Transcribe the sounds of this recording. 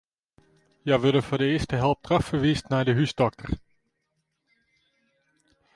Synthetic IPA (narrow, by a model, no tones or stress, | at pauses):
jɛʋødəfɔdəɪːəstəɦɛlˠp̚tʰrɑffəʋiːstnɛjdəɦysdɔk̚tʰər